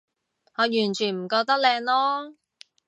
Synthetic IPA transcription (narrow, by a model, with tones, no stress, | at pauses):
ŋɔː˨˧jyː˨˩nt͡ʃʰyː˨˩nm̩˨˩kɔː˧k̚t̪ɐ˥k̚lɛː˧ŋlɔː˥